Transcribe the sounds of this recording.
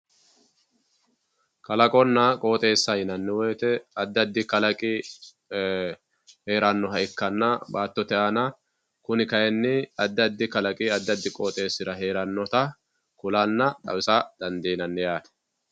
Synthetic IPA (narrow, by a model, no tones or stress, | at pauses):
kɐlɐkʼɔnːɐkʼo̞ːt̪ʼe̞ːsːɐjɪnɐnːɪwɔjt̪ɛɐd̪ːɐd̪ːɪkɐlɐkʼɪ | he̞ːɾɐnːɔɦɐʔɪkːɐnːɐbaːt̪ːɔt̪ɛʔanɐ | kʊnɪkɐjɛnːɪɐd̪ːɐd̪ːɪkɐlɐkʼɪɐd̪ːɐd̪ːɪkʼoːt̪ʼe̞ːsːɪɾɐɦe̞ːɾɐnːɔt̪ɐ | kʊlɐnːɐt̪ʼɐ̰wɪsɐd̪̥ɐnd̪iːnɐnːɪjaːt̪ɛ̥